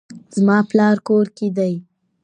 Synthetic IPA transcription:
zmɑplɑɾkoɾked̪aj

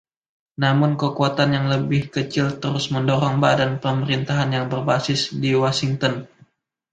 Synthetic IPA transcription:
namʊnkəkuat̪anjaŋləbɪhkət͡ʃɪlt̪əɾʊsməndoɾɔŋbadanpəməɾint̪aɦanjaŋbərbasɪsdiwɔsiŋt̪ɔn

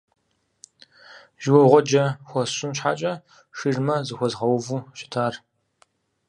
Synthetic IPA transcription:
ʒɪwɔʁʷɔd͡ʒɐxʷɔsʊnɕħa̰ːt͡ʃʼɐ | ʂirmɐzɨxʷɔzʁɐwvuːʃɪ̥tʰaːr

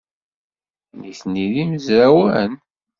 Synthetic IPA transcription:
niθniðimzɾæwə̰n

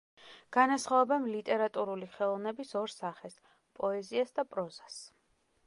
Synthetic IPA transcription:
ɡ̥anasχaɛbɛnlit̪ʼɛɾat̪ʼuɾuliχɛlˠɔvnɛbisɔɾsaχɛs | pʼɔɛziasd̪apʼɾɔzas

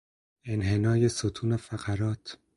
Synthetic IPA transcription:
e̞nɦe̞nɒːje̞sot̪ʰuːnefæɢæɾɒːt̪ʰ

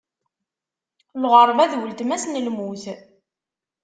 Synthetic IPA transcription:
lʁəɾˤvæðwəlt̪mæsnəlmuθ

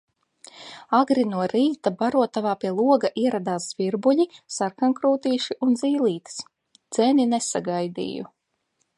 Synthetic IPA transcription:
aɡɾinuɔɾiːt̪abaɾuɔt̪avaːpʲiɛlˠuɔɡaʔiɛɾad̪aːszvʲiɾbuʎisaɾkaŋkɾuːt̪iːʃiʔunziːlˠiːt̪s | d̪z̥eninesaɡajd̪ḭːjṵ

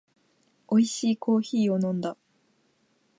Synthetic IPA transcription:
o̞iɕiːkʰo̞ːçiːo̞nõ̞nd̪a

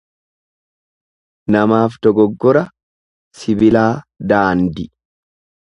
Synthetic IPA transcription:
nɐmaːft̪ɔɡɔɡːɔɾɐ | sɪbɪlaːd̪aːnd̪ɪ

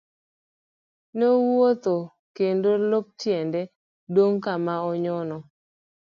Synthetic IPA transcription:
nɛwot̪o | kendolop̚tjɛndɛ | doŋkamaɔɲɔnɔ

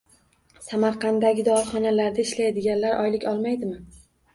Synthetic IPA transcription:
samaɾqʰɑnd̪aɡʲɪd̪ɒɾχɒnalaɾd̪aɪʃlajd̪ɪɡʲanlaɾʔɒjlɪkʲɒlˠmajd̪ɪmɪ

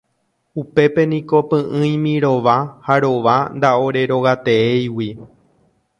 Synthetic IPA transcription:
upe̞pe̞nĩko̞pɨ̃ʔɨ̃j̃mĩɾo̞ʋahaɾo̞ʋand̪ao̞ɾe̞ɾo̞ɣat̪e̞ejwi

